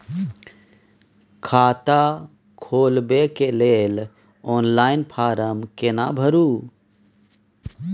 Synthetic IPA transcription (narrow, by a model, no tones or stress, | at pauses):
kʰaːt̪a | kʰoːlbekelel | ɔːnlaːɪnpʰaːɾəmkena̰bʱəɾuː